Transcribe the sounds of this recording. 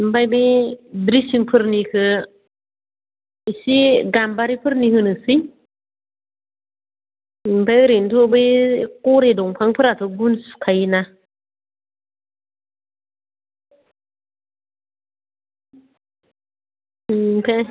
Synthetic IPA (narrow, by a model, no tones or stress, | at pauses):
m̩bajbedɾisiŋpʰɯɾnikʰɯ | isiɡambaɾipʰɯɾnihɯnɯsi | mpajɾintʰobɯjkoɾedɔŋpʰaŋpʰɯɾatʰɯɡunskʰajina | pʰɛ